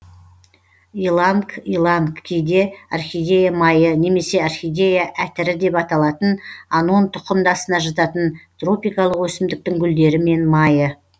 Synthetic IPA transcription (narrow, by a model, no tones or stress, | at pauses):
ilˠaŋkilˠaŋkkʲʰejd̪e̞ɑrχʲijd̪ʲe̞jamɑjəne̞me̞se̞ɑrχʲijd̪ʲejaʔæt̪ɪɾɪd̪e̞pɑt̪ɑlˠɑt̪ənɑno̞nt̪ʰʊ̥qəmd̪ɑsənɑʒɑt̪ɑt̪ənt̪ro̞pijkɑlˠəqwɵsɪmd̪ɪk̚t̪ɪŋɡʲʏld̪e̞ɾɪme̞nmɑjə